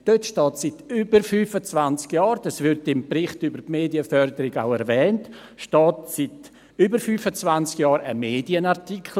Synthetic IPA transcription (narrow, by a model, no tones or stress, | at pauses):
d̥øtʃtɔːtsitybəɾfyːfət͡svant͡skjɑːɾd̥ɑsvɪɾtɪmbɾɪχtybəɾpmeːdiəfœɾdəɾɪɡa̰ʊɛɾvɛːnt | ʃtɔːtsit | ybəɾfyːfət͡svant͡skjɑːɾə̰meːdiənaʁtikʰl